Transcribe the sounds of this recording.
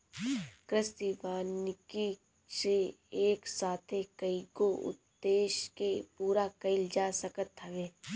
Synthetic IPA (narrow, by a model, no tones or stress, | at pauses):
kɾɪst̪iʋaːnɪki | se | eːksaːt̪ʰekəiɡoʔʊ̰d̪ːeːʃkepuːɾakɐɪld͡ʒaːsəkət̪əʋeː